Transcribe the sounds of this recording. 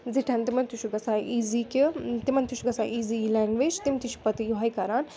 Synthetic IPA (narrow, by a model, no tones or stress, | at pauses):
ziʈʰɐ̃nt̪imɐnt̪uʃuɡɐsaːʔiːziːkit̪imɐnt̪uʃuɡɐsa̰ːʔiːzilɛːŋɡʋeːd͡ʒt̪imt̪iʃu̥pɐt̪ijuɦajkɐɾaːn